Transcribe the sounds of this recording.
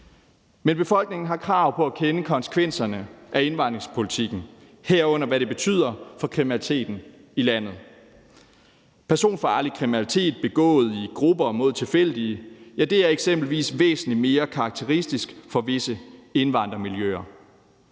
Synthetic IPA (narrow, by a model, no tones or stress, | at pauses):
menb̥e̝fɒ̽l̰ɡ̥̚ne̝ŋn̩ɦɑ̈kʰʁɑ̈ʊpʰɒ̽ækʰenəkʰɒ̽nse̥kʰʋen̰sɐnəʔæe̝nʋɑ̈nd̥ʁeŋspʰo̝lit͡sʰiɡ̥n̩ | heɐ̰ɔ̽n̰ɐʋæɾe̝b̥e̝t͡sʰy̰ð̞̰ˠɐfɒ̽kʰʁiminælit͡sʰe̝̰ːd̥n̩ | ilæn̰ð̞̩ˠ | pʰæɐso̝̰ːnfɒɑ̈likʰʁiminælit͡sʰe̝̰ːd̥̚b̥e̝ɡ̥ɔ̰̽ːð̞̩ˠiɡ̥ʁubɐmo̝ð̞̰ˠt͡sʰe̝lfel̰d̥iəjæd̥e̝æɐeɡ̥sem̰b̥l̩ʋḭːsʋḛːsn̩lime̝ːɐkʰɑ̈ɡ̥̚t͡sʰe̝ʁisd̥isɡ̥fɒ̽ʋe̝səe̝nʋɑ̈n̰d̥ʁɐmiljø̰ɐ